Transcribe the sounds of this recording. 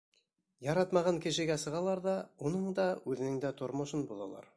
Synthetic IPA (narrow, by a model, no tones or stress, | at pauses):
jɑɾɑt̪mɑʁɑŋkɘ̆ʃɘ̆ɡæsɤ̆ʁɑlˠɑɾðɑunɤɴd̪ɑʉðɘ̆nɘŋd̪æt̪ʰŏɾmŏʃɤnbulˠɑ̰lˠɑ̰ɾ